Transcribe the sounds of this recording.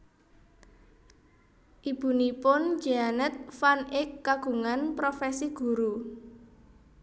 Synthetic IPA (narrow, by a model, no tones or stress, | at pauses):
ʔib̥ṳnipʊnd͡ʒ̥ianət̪̚fanɪkːaɡ̥ṳŋanpɾofɛsiɡ̥ṳɾu